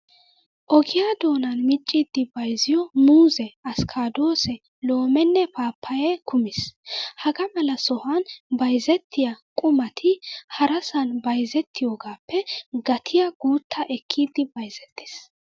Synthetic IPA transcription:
ʔɔɡɪjad̪o̞ːnɐnmɪt͡ʃʼːid̪ːɪbɐjzɪjɔmuːzɛɐskʰaːd̪o̞ːsɛ | lo̞ːmɛnːɛpaːpʰːɐjɛkʊmɪshɐɡɐmɐlɐsɔhɐnbɐjzɛt̪ʰːɪjɐkʼʊmɐt̪ʰɪhɐɾɐsɐnbɐjzɛt̪ʰːɪjoːɡaːpːɛɡɐt̪ʰɪjɐɡuːt̪ʰːɐʔɛkʰːiːd̪ɪbɐjzɛt̪ːɪ̥s

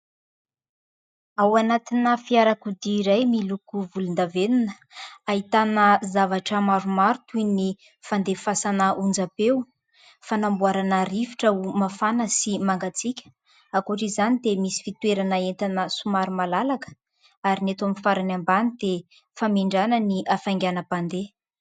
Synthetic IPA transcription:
awanat̪inəfiaɾakud̪iːɾajmilukuvulund̪avenunə | aɦit̪anəzavaʈ͡ʂəmaɾumaɾut̪ujni | fand̪efasanəʔund͡zabew | fanambuaɾanaɾivi̥ʈ͡ʂaumafanəsimaŋɡat͡sikʲə̥ | akuʈ͡ʂizanid̪emisi̥fit̪weɾanaent̪anəsumaɾumalalakə̥ | aɾinet̪amifaɾanambanid̪̥e | famiɳɖ͡ʐanəniʔafaŋɡʲanəpand̪e

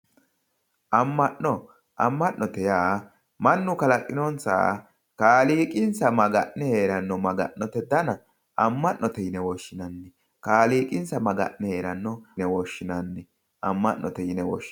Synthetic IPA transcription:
ʔɐmːɐʔɔ | ʔɐ̰mːɐʔnɔt̪ɛjaː | mɐnːʊkɐlɐkʼːɪnɔnsa̰ː | kaːliːkʼɪnsɐmɐɡɐʔnɛhe̞ːɾɐnːɔmɐɡɐ̰ʔːɔt̪ɛd̪ɐnɐ | ɐmːɐʔːɔt̪ɛjɪnɛwɔʃːɪnɐnːɛ | kaːliːkʼɪnsɐmɐɡɐ̰ʔnɛheːɾɐnːɔnɛwɔʃːɪnɐnːɛ | ʔɐmːɐʔːɔ̰t̪ɛjɪnɛwɔ̰ʃ

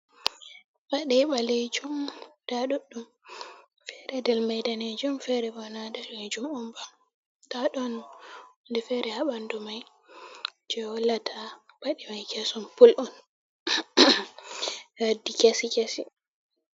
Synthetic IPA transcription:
baɗɛɓaled͡ʒumd̥aɗuɗːum | fɛɾɛdɛlmajdaned͡ʒumfɛɾɛbɔnadaled͡ʒumɔmbam | taɗɔn | ndɛfɛɾɛhaɓandɔmaj | d͡ʒɛwɔlatʰab̥aɗimajkɛsɔmpulʔɔn | adikesikesi

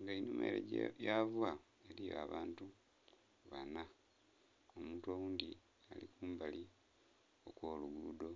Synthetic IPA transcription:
ŋɡainumḛɾḛɟjavwa | elijoaːβaːntu | βana | omuːntuowuːnd̪i | alḭkuːmbali | o̞kwo̞ːluɡudo̞

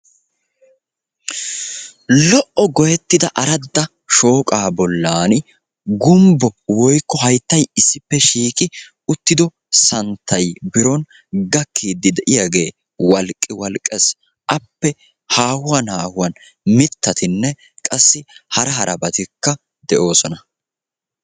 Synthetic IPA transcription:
lɔʔɔɡɔjɛt̪ːɪd̪ɐʔɐɾɐd̪ːɐ | ʃoːkʼaːbɔlːaːn | ɡʊmbɔwɔjkːɔɦɐjt̪ːɐjɪsːɪpːɛʃiːkʼɪ | ʊt̪ːɪd̪ɔ | sɐnt̪ʰːɐjbɪɾɔn | ɡɐkʰːiːd̪ːɪd̪ɛʔɪjaɡe̞ː | wɐlkʼːɪwɐlkʼːɛs | ʔɐpːɛ | haːhʊwɐnhaːhʊwɐn | mɪt̪ːɐt̪ɪnːɛ | kʼɐsːɪhɐɾɐɦɐɾɐbɐt̪ɪkːɐ | d̪ɛʔo̞ːsɔnɐ

